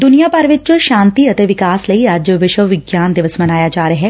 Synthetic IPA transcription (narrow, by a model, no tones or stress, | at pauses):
d̪ʊnijaːpəɾʋɪt͡ʃʃaːnt̪iət̪eːʋɪkaːsləiɐd͡ʒʋɪʃəʋɪɡjaːnd̪ɪʋəsmənaːjaːd͡ʒaːɾəɦɛː